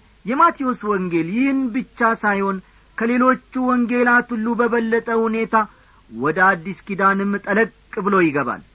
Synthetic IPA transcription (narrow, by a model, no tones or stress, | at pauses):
jɛmat̪ʰioswɔŋɡeljɪhnbɨt͡ʃːasajho̞n | kʰəle̞lo̞t͡ʃːuwɔŋɡe̞lat̪ɨlːubəβəlːət̪ʼəhune̞t̪ʰa | wɔd̪əad̪ːiskid̪anɨmːt̪ʼələkʼkʼːɨbɨlojɪɡəβa̰l